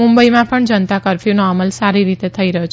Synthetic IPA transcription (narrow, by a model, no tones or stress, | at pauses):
ũmbəimãpəɳd͡ʒənt̪akəɾfjunɔɾməlsaɾiɾit̪et̪ʰəiɾəɦjot͡ʃʰ